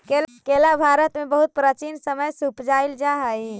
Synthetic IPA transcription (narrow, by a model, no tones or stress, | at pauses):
kekelabʱaɾət̪mebəɦut̪̚pɾət͡ʃinsəməjsupd͡ʒaild͡ʒaɦəj